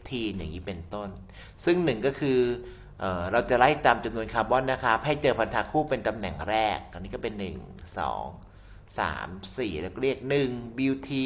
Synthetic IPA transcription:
t̪ʰiː˧ja̰ː˨˩ŋːiː˦˥pe˧nt̪o˥˩n | sɯ˥˩ŋnɯ˨˩ŋkɔː˥˩kʰɯː˧ | ʔɤː˨˩ɾa˧wt͡ɕa˨˩ɾa˦˥˩t̪aː˧mt͡ɕa˧mnu˧ənkʰaː˧bɔ˦˥˨nːa˦˥kʰa˦˥pʰa˥˩jt͡ɕɤː˧pʰa˧nt̪ʰaː˧kʰuː˥˩pe˧nt̪a˧mnɛ̰˨˩ŋɾɛː˥˩k̚ʔa˧nːi˦˥kɔː˥˩pe˧nːɯ˨˩ŋsɔ̰ː˩˦ŋ | sa̰ː˩˦msiː˨˩ɾɛ˦˥˩kːɾi˥˩ək̚nɯ˨˩ŋbi˧wt̪ʰiː˧

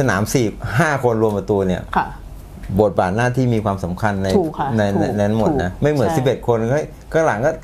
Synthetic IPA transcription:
sa˧na̰ː˩˦msi˨˩p̚haː˥˩kʰo˧nɾu˧əmpa˧t̪u˧ni˥˩ɐ | bo˨˩t̪̚baː˨˩t̪̚naː˥˩t̪ʰiː˥˩miː˧kʰwaː˧msa˩˦mkʰa˧nːa˧jna˧jna˧nʰa˦˥mo˨˩t̚na˦˥ma˥˩jmɯ˩˦ənsi˨˩p̚ʔe˨˩t̪̚kʰo˧n˥˦˥j | kaː˥˩la˨˩˦ŋkɔː˥˩

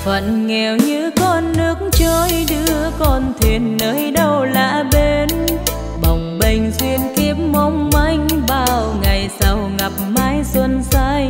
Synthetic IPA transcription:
fə̰˧˨nŋɛ˨˩wɲɨ˧kɔ˧nːɨ˨˦˥ək̚ŋt͡ɕə˧jɗɨ˧˦ə˦kɔ˧˩nt̪ʰi˨˩ənːəː˨˦jɗə˧wla̰ː˧˨ɓe˧n | ɓə˨˩wŋ͡mɓə˧˩jŋ̟zwi˧ənki˧˦˥əp̚ma˧wŋ͡mma˧˩jŋ̟ɓaː˧˩wŋa˨˩jsa˧wŋa˨˩p̚maː˧jswə˧nsa˧j

